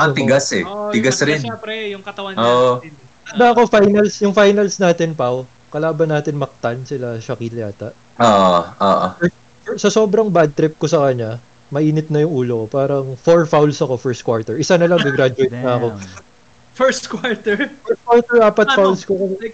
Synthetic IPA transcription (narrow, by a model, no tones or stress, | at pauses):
ɐt̪ɪɡasɛɪɡasɾɪnɛpɾɛjʊŋkɐt̪ɐwɐoʔo | ɐnd̪ɐɐko̞fajnɐlsjʊŋfajnɐlsnaːt̪ɪnpaw | kɐlaːbɐnːaːt̪ɪnmɐk̚t̪ɐnsɪlaʃɐkilaːt̪ɐʔ | ʔoːʔoʔoʔo̰ɛ | fɛsɐso̞ːbɾɐŋbad̪̚t̪ɾɪp̚ko̞sɐkɐɲːa | mɐʔiːnɪt̪̚nɐjʊŋʔuːlokopaːɾɐŋfoɹfawlsɐko̞fɛɹst̪̚kwaɹt̪ɛɹʔɪsanɐlɐŋɡɪɡɾad͡ʒʊejt̪̚nɐɐko̞ | fɛɹst̪kwaɹt̪ɛɹfɛkwawt̪ɛɹʔaːpɐt̪̚fawlskokɐm